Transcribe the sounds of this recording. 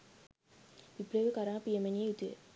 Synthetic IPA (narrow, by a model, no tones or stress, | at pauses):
ʋipɾeʋəkaɾaːpiemeniejut̪ujḛ